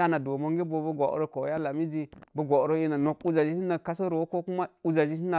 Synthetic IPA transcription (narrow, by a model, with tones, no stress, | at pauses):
a˦na˨do˨mo˦ŋɡi˦bo˨bu˦ɡʷa˨ʔɾo˦ko˨˦ja˦la˨mi˦d͡ʒi˦bu˦ɡʷa˨ɾo˦i˦na˨no˨ku˦d͡ʒa˨d͡ʒi˦si˦na˨ka˦sa˦ɾo˨wo˦ko˦ku˦ma˦u˦za˨d͡ʒi˦si˦na˨